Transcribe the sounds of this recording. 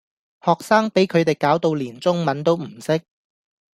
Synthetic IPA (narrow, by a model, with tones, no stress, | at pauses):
hɔː˨k̚saː˥ŋpe˨˥jkʰɵ˨˧ɥt̪e˨˩jkaː˨˥wt̪o˨˧wliː˨˩nt͡sʊ˥ŋmɐ˨˥nt̪o˥wm̩˨˩sɪ˥k̚